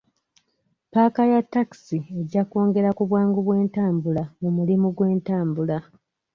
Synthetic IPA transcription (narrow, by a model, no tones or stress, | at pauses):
paːkajatːaki̥sie̞ɟːakoːŋɡe̞ɾakuβwaːŋɡuβwe̞ːntaːmbulamumulimuɡwe̞ːntaːmbula